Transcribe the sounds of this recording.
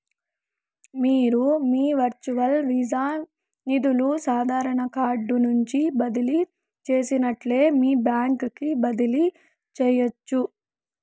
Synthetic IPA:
miːɾumiːʋɐɾt͡ʃuʋɐlʋiːd͡ʒaː | nid̪ulusaːd̪ʱaːɾɐɳɐkaːɾɖunuɲt͡ʃibɐd̪ili | t͡ʃe̞ːsinɐʈleːmiːbjaːŋkkibɐd̪ili | t͡ʃɛjɐt͡ʃːu

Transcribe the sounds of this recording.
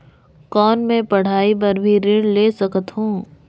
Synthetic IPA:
kɔːnmẽpɐɽ̤aːip̬ɐɾbʱiɾɪɽleːsɐkət̪ɦũː

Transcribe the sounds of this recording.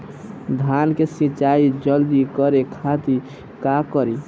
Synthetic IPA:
d̪ʱankesĩt͡ʃaid͡ʒəld̪ikəɾekʰat̪i | kakəɾi

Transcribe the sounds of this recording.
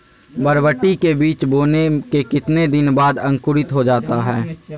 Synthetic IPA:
bəɾʋəʈikebiːt͡ʃboːnekekɪt̪ned̪ɪnbaːd̪ɐ̃ŋkʊɾɪt̪ɦod͡ʒaːt̪aɦɛː

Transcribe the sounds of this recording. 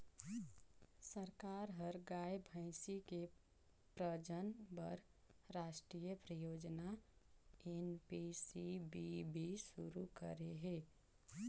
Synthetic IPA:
səɾkaɾɦəɾɡajbʱə̃ɪ̃sike | pɾəd͡ʒənbəɾ | ɾaːʃʈɾijəpɾəjoːd͡ʒna | enpisibibʱisuɾukə̰ɾeɦe

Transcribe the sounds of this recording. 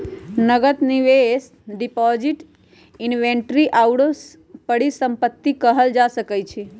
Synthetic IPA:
nəɡət̪niʋes | ɖipɔd͡ʒiʈ | inʋẽɳʈɾiʔawɽo | pəɽisəmpət̪ːikəɦəld͡ʒasəkəjt͡ʃʰi

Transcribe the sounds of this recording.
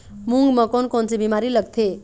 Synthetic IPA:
muŋɡmə̃konkont͡sebimaɾiləɡ̚t̪ʰe

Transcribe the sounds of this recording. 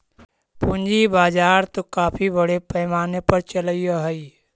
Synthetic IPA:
pũnd͡ʒibaːd͡ʒaːɾt̪okaːpʰibəɽepɛːmaːnepəɾt͡ʃələijoɦəi

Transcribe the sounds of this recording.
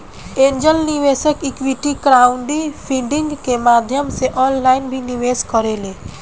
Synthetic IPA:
ẽːɲd͡ʒəlniʋeːʃəkɪkwiʈikɾaːʊ̃ɳɖipʰiɖɪ̃ŋɡkemaːd̪ʱjəmseʔɔːnlaːɪnbʱiniʋeːskəɾeleː

